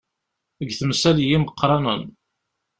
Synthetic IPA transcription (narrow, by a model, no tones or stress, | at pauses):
əɡθəmsæljiməqːɾˤɑnən